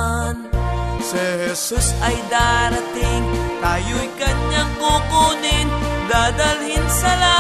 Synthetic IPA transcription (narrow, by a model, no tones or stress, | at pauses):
nsɛhɛsusɐjd̪aːɾɐt̪ɪŋt̪aːjojkɐɲaŋkukuːnɪŋd̪aːd̪ɐlhɪnsɐla